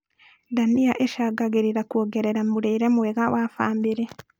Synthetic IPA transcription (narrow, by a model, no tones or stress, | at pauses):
daniaʔeʃaɡaɣeɾiɾakwoɡeɾeɾamuɾeɾemweɣawafa̰ːmbiɾe